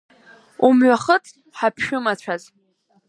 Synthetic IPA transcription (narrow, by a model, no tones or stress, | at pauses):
umɥaχət͡sʼ | ħapʰʃᶣʊmat͡ɕʷʰaz